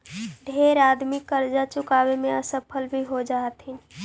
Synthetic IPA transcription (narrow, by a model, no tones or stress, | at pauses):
ɖʱeɾad̪mikːəɾd͡ʒat͡ʃukabemeəsəpʰəlbʱiɦod͡ʒat̪ɦin